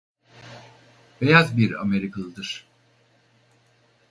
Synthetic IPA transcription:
be̞jazbiɾa̰me̞ɾikʰalˠɯd̪ɯɾ̥

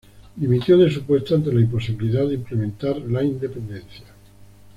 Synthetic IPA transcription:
d̪imit̪joðes̬upwe̞st̪oant̪̬elaimpo̞s̬iβiliðaðimplemẽnt̪aɾlaind̪e̞pe̞nd̪e̞nθja

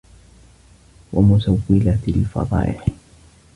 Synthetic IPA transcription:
wamʊsawːɪlalfɑ̰d̪ˤɑ̰ːʔɪħ

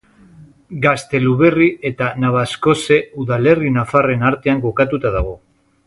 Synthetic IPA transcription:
ɡast̪e̞luβe̞riʔe̞t̪anaβ̞asko̞se̞uðale̞rinafare̞naɾt̪e̞aŋɡo̞kat̪ut̪aðaɣ̞o̞

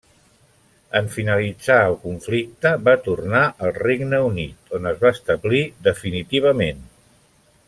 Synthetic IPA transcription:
əɱfinəlid͡zaəlˠkuɱflik̚t̪əβat̪urnaʔəlˠreɡnəunit̪onəzβaəst̪əβliðəfinit̪iβ̞əmen

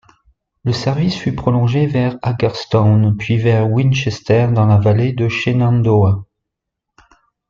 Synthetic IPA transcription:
ləsɛʁvisfypχɔlɔ̃ʒevɛʁaɡɛʁst̪ɔnpɥivɛʁwinʃɛst̪ɛʁd̪ɑ̃lavaled̪əʃenɑ̃nd̪oa

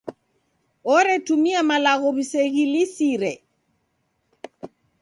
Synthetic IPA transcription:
ɔɾɛtumiamalaɣoβiseɣilisiɾɛ

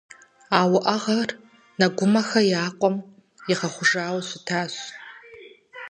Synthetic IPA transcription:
aːwʊʔɐʁɐr | nɐɡʷʊmɐxɐjaːqʷʼɔm | jɪʁɐχʷʊʐaːwsʊtʰaːɕ

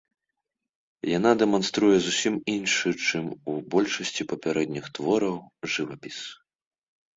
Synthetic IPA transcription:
jan̪ad̪ɛmanst̪ɾujɛzusʲiminʂɨt͡ʂɨmubɔlʲʂɐsʲt͡sʲipɐpʲaɾɛd̪nʲixt̪vɔɾɐwʐɨvapʲis

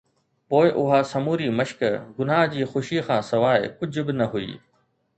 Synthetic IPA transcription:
poːɪʔʊɦaːsɐmuːɾimɐʃkɡʊnaːɦd͡ʑiːxʊʃixʰãːsɐʋaːɪ̰kʊd͡ʑʱʊ̆bɪnɐɦʊḭː

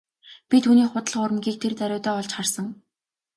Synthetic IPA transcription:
pʲit̪ʰuːniːχʊt̪ə̆ɮ̆χʊɾə̆mɡʲiːk̚t̪ʰert̪æɾʲʊːt̪œːɔɮt͡ɕχarsə̆ŋ

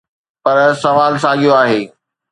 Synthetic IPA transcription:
pɐɾsɐʋaːlsaːɠijoaːɦeː

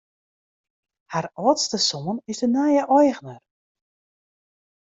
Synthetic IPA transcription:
harɔːtstəsɔmənɪsdənajəʔɔjɣnər

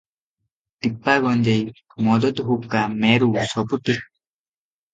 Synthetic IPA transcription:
t̪ipːaɡɔnd͡ʒej | mɔd̪ɔt̪ɦup̚kamɛɾusɔput̪i

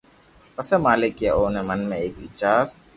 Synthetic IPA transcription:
pəsemaːlɪkjaʔoːnemɐnmẽeːkʋit͡ʃaːɾ

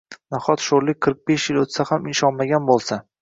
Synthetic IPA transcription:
naχɒt̪ʃoɾlɪqʰɨɾq̚beʃjɪlot̪sahamɪnʃɒnmaɡʲanbolˠsa

